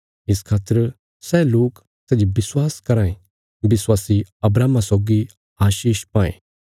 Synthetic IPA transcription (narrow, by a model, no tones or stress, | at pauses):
ɪskʰaːt̪əɾ | sɛloːk | sɛːd͡ʒibɪswaːskɐɾãːẽ | bɪswaːsiɐbɾaːmasɔːɡi | aːʃiːʃpãːḛ̃ː